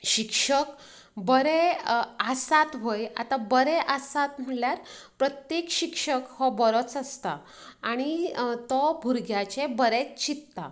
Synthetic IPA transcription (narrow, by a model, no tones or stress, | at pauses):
ɕikʂək | bəɾeasat̪ʋoja̰t̪abəɾɛʔasat̪m̤əɽljaɾpɾət̪jekɕikʂəkhɔbəɾɔt͡səst̪aː | ɽ̃it̪ɔbʱuɾɡjat͡ɕebəɾet͡st͡ɕit̪ːa̰